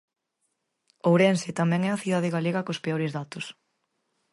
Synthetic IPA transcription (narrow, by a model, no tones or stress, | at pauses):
owɾɛnsɪt̪amɛ̃ŋɛɐθiðað̞ɪɣaleɣɐkospeoɾɪzðat̪ʊs